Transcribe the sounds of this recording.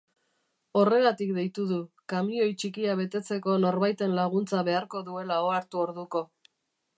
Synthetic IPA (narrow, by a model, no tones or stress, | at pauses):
o̞re̞ɣat̪ikd̪e̞jt̪uðu | kamiio̞jt͡ʃikiaβ̞e̞t̪e̞t͡se̞ko̞no̞ɾβajt̪e̞nlaɣ̞unt͡saβe̞aɾko̞ðue̞lao̞aɾt̪uo̞ɾðuko̞